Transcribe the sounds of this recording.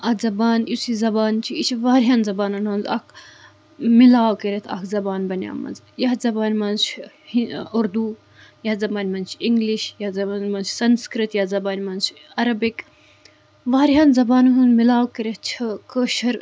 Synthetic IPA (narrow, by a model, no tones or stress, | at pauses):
ɐzɐbaːnjisizɐbaːnt͡ʃʰiit͡ʃʰiʋaːɾɦaːnzɐbaːnɐnɦɐnzɐ̰kʰ | milaːwkeɾʲet̪ʰɐ̰kʰzɐbaːnbɐnʲja̰ːmɐ̰nz | jazɐbaːnʲmɐnt͡ʃʰ | hiuɾd̪u | jaːzɐbaːnʲmɐnt͡ʃʰiŋɡliʃjazɐaːnmɐnt͡ʃsɐnskɾɨt̪jaːzɐbaːnʲmɐnt͡ʃʰ | ɐɾɐbik | ʋaːɾɦaːnzɐbaːnɦunmilaːwkeɾʲet̪̚ʰt͡ʃʰɐkəʃɐɾ